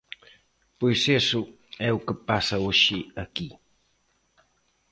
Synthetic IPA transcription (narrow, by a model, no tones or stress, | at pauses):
pujsesu | ɛwkəpasɐwuʃiɐki